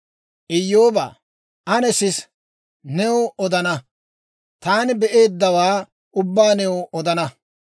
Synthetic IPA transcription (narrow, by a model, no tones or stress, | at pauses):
ʔɪjːoːbɐ̰ː | ʔɐnɛsɪs | nɛwoʔɔd̪ɐnɐ | t̪aːnɪbɛʔe̞ːd̪ːɐwaː | ʊbːaːnɛwoɔd̪ɐnɐ